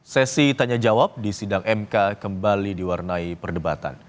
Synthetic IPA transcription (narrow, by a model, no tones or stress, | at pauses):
sɛsit̪aɲad͡ʒawap̚disidaŋʔɛmkakəmbalidiwarnaipərdəbat̪a̰n